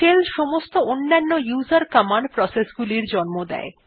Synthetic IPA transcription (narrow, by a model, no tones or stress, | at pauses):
ʈelʃɔmost̪oonːanːojuːzaɾkamanɖpɾɔsesɡuliɾd͡ʑɔnmod̪ɛ̰e